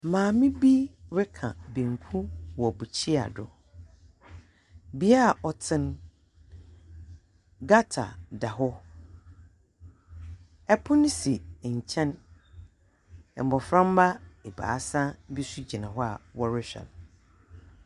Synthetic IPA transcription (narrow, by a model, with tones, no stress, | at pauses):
mãː˨mĩ˦bi˦ɾɪ˦kʰã̰˨bĩ˨ŋ˨kʰũ˦wɔ˨bu˨t͡ɕʰi˦a̰˨dʊ˨ | bi˦a˦˨ʔɔ˨tʰɪ̃˦n | ɡa˦tʰa̰˨da˨ɦʊ˦ | ɛ˦pʰʊ̃˦nɪ̃˦si˨t͡ɕʰɛ̃˦n | ɛ˨m˨bɔ˨fɾã˦m˦ba˦e˨ba̰ː˨a˦sã˦bi˦su˦d͡ʑi˨nã˨ɦɔ˦a̰˨wɔ˦ɾɪ˦ɕᶣɛ̰˨n